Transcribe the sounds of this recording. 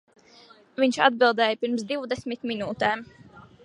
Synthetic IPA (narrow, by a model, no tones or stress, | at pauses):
viɲt͡ʃa̰d̪̚bilˠd̪ɛːjpiɾmsd̪iwd̪ɛsmit̪minuːt̪ɛːm